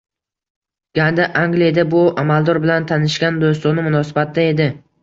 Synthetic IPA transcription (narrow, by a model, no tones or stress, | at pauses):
ɡ̥ʲand̪aʔaŋɡlijad̪abʊamald̪ɒɾbɪlant̪ʰanɪʃɡʲand̪ost̪ɒnɪmʊnɒsɪbat̪̚d̪ae̞d̪ɪ